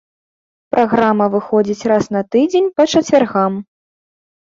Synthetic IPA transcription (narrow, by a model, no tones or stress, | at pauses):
pɾʔaɣɾamɐvɨxɔd͡zʲit͡sʲrasnɐt̪ɨd͡zʲenʲpɐt͡ʂɐt͡sʲvʲarɣam